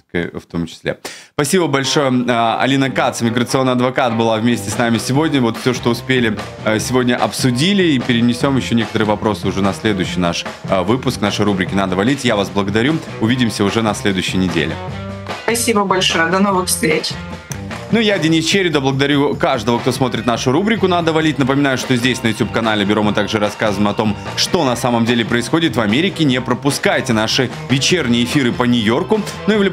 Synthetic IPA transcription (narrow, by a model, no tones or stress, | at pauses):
kft̪o̞mt͡ɕɪ̥sʲlʲespɐsʲibəbɐlʲʂo̞jəɐ̰lʲinəkat̪səmʲɪɡɾət̪sɨo̞nːɨɐd̪vɐkat̪̚bɨlˠavmʲesʲtʲɪsnamʲɪsʲɪvo̞dʲnʲəvot̪fsʲoʂt̪o̞ʊspʲelʲɪ | sʲɪvo̞dʲnʲəʔɐpsʊdʲilʲɪipʲɪɾʲɪnʲɪsʲo̞mjɪɕːonʲekət̪əɾɨjəvɐpɾo̞sɨʊʐɛnɐsʲlʲe̞d̪ʊjɕːɪjnaʂvɨpʊsknaʂəjrubɾʲɪkʲɪnad̪əvɐlʲitʲjavasblˠəɡəd̪ɐɾʲu | ʊvʲidʲɪmsʲəʊʐɛnɐsʲlʲe̞d̪ʊjʏɕːɪjnʲɪdʲḛlʲɪ̰ | spɐsʲibəbɐlʲʂojəd̪ɐnovɨxfst̪ɾʲet͡ɕʲ | nujadʲɪnʲist͡ɕeɾʲɪd̪əblˠəɡəd̪ɐɾʲukaʐd̪əvək̚t̪o̞smo̞t̪ɾʲɪt̪naʂʊɾubɾʲɪkʊnad̪əvɐlʲitʲnəpəmʲɪn̪ajʊʂt̪o̞zʲdʲesʲnəjʊtʲup̚kɐn̪alʲɪbʲɪɾo̞mɨt̪aɡʐɨɾɐskazəvɪmɐt̪o̞m | ʂt̪o̞nɐsaməmdʲelʲɪpɾəɪsxo̞dʲɪt̪vɐmʲeɾʲɪkʲɪnʲɪpɾəpʊskajtʲɪn̪aʂɨ | vʲɪt͡ɕernʲɪjəɪfʲiɾɨpənʲʊjo̞rkʊ | nuɪvlʲɪ